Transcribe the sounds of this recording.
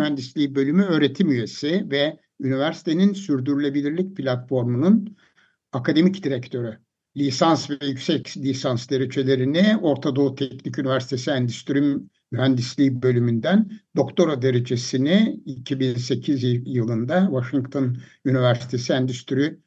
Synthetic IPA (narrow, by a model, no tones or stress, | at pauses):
yhænd̪islʲiːbø̞lʲymyø̞ːɾe̞t̪ʰimyje̞sivɛ | ynivæɾsi̥t̪ʰe̞ninsyɾd̪yɾylʲe̞bilʲiɾlʲic̚pʰlʲat̪fo̞ɾmunun | akʰad̪e̞micd̪iɾɛct̪ʰø̞ɾy | lʲisansvɛjycsɛclʲisansd̪e̞ɾe̞d͡ʒe̞lʲe̞ɾinio̞ɾt̪ʰad̪o̞ut̪ʰɛcnicynivæɾsi̥t̪ʰe̞siænd̪yst̪ʰyɾym | jyɦænd̪islʲiːbø̞lʲymynd̪ænd̪o̞kt̪ʰo̞ɾad̪e̞ɾed͡ʒe̞siniicʰibinse̞cʰizjɯlˠɯnd̪avaʃiŋkt̪ʰo̞nynivæɾsi̥t̪ʰe̞siænd̪yst̪ʰyɾy